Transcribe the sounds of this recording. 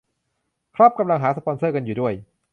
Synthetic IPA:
kʰɾɔ˦˥p̚ka˧mla˧ŋɦaː˩˦˥sa˧˩pʰɔ˧nsɤː˥˩ka˧njuː˨˩du˥˩əj

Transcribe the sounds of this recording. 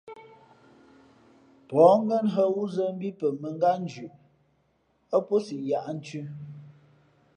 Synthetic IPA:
pɔ˨˦ŋ̩˦ɡə˦nɦə˦wu˦zə˦m̩˦bi˦pə˨mə˨ŋ˦ɡa˦n˦d͡ʒʉ˨ʔ | ə˦po˦si˨ʔja˨ʔn̩˦t͡ʃʉ˦

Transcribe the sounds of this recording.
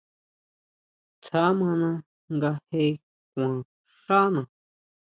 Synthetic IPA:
t͡sʰa˦mã˧nã˧ | ŋɡa˧he˧˦ | kʷã˨ | ʂa˦nã˧˨

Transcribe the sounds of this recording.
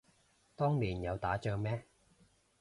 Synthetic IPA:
t̪ɔː˥ŋliː˨˩njɐ˨˧wt̪aː˨˥t͡ʃœː˧ŋmɛː˥

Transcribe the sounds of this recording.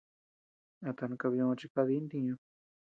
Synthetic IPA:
a˧t̪a˧nã˧ka˧βi˧õ˧t͡ʃi˧ka˧ði˦nd̪ĩ˧ɲõ˧

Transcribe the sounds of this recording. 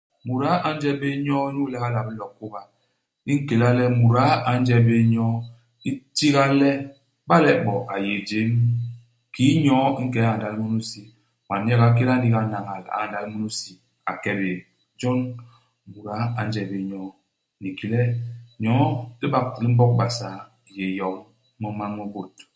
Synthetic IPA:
mu˨ɾa˦ʔa˨n̩˦d͡ʒɛ˦be˦ɲɔ˦nu˦lɛ˦ka˦la˨bi˦lɔ˨kːo˦ba˨ | i˦ŋ̩˦ke˨la˦lɛ˦mu˨ɾa˦a˨n̩˦d͡ʒɛ˦˨be˦ɲɔ˦ | i˦ti˦ɣa˦lɛ˦ | ba˦lɛ˦bɔ˨ʔa˨je˨d͡ʒe˨˦m | ki˦ɲɔ˦ŋ̩˦kɛ˨˦a˦a˨da˨li˦mu˦nu˦si˨ | ma˨n˦ɛ˦ɡa˨˦k̬e˦ɾa˦n˦di˦ɡa˦na˨ŋa˨la̰˨a˨nda˨lmu˦nu˦si˨ | a̰˨kɛ˦be˨ | d͡ʒɔ˦n | mu˨ɾa˨˦a˨n̩˦d͡ʒɛ˨be˨ɲɔ˦ | ni˨ki˨lɛ˦ɲɔ˨˦i˦ba˦k̚li˦m̩˦bɔ˦k̚ba˨sa˨˦˨ | je˨jɔ˨k | mɔ˦ma˦ŋo˦bo˨t

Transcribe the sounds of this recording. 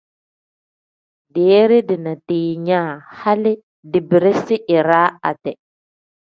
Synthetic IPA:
deː˨˦ɾi˦di˨na˨tiː˨ɲaː˦ha˦li˦ | di˨bi˨ɾi˦si˦ʔi˨ɾaː˦a˨tɛ˨

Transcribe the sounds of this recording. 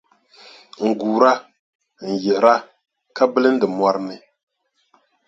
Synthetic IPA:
ŋ̩˨ɡuː˨ɾa˦ | n̩˨jɛ˨ɾa˦ | ka˦bɨ˦lɨ˦n̩˦dɨ˨mwa˦ɾɨ˦mɨ˨

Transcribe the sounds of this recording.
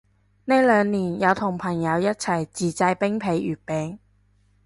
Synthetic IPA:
ne˥lœː˨˧ŋniː˨˩njɐ˨˧wt̪ʰʊ˨˩ŋpʰɐ˨˩ŋjɐ˨˧wjɐ˥t̚t͡sʰɐ˨˩jt͡siː˨˩t͡sɐ˧jpɪ˥ŋpʰe˨˧jʔyː˨˩t̚pɛː˨˧ŋ

